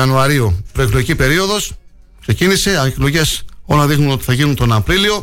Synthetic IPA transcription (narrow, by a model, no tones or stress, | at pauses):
ɐnuɐɾiopɾo̞ekloʝicipe̞ɾio̞ðo̞s | kse̞cinise̞ɐklo̞ʝe̞so̞lɐðixnuno̞t̪i̥θɐʝinunt̪o̞nɐpɾilio̞